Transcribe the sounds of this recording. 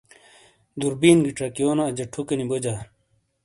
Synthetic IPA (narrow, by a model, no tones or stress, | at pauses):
d̪uɾbiːnɡiʈ͡ʂɐkijoːnaːd͡ʑɐʈʰukenibod͡ʑa